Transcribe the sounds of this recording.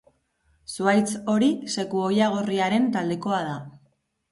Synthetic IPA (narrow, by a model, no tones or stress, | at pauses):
suajt͡so̞ɾise̞kuo̞jaɣ̞o̞riaɾe̞nt̪ald̪e̞ko̞að̞a